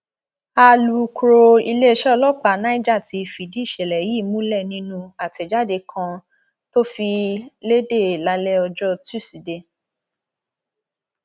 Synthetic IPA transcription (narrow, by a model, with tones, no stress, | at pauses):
a˧lu˨˧ku˧ɾo˧i˧le˦˧ʃɛ˦ɔ˧lɔ˦k͡pa˨nã˦i˦d͡ʒa˦˨ti˨˧˨fi˨di˨˦˨ʃɛ˨lɛ˨jiː˦˨mũ˦lɛ˦˨nĩ˧nũ˧a˨tɛ˨d͡ʒa˦de˧kʰã˧ | to˦fi˧le˦de˦˨la˧lɛ˦ɔ˧d͡ʒɔ˦tu˦˨si˨de˧